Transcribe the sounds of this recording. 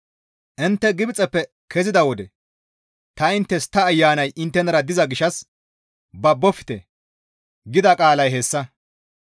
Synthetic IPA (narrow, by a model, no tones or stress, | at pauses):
ʔɪnt̪ːɛɡɪbɪt͡sʼɛpːɛ | kʰɛzɪd̪ɐwɔd̪ɛ | t̪ɐɪnt̪ːɛst̪ɐːjːaːnɐjʔɪnt̪ːɛnɐɾɐd̪ɪzɐɡɪʃːɐs | bɐbːɔfɪ̥t̪ɛ̰ | ɡɪd̪ɐkʼaːlɐjɦesːɐ